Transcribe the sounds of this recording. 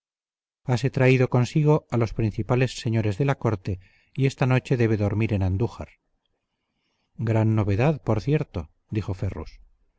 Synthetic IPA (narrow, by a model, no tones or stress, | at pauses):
ase̞t̪ɾaiðo̞ko̞nsiɣ̞o̞alo̞spɾin̟θipale̞sːe̞ɲo̞ɾe̞zðe̞lako̞ɾt̪e̞ | ie̞st̪ano̞t͡ʃe̞ðe̞β̞e̞ðo̞ɾmiɾe̞nand̪uxa̰ɾ | ɡɾanːo̞βe̞ðaðpo̞ɾθje̞ɾt̪o̞ | d̪ixo̞ferṵs